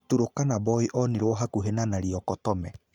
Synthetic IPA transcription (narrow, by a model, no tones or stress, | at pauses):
tuɾokanabɔiʔɔneɾwɔɦakuɦenanaɾiɔkɔtɔmɛ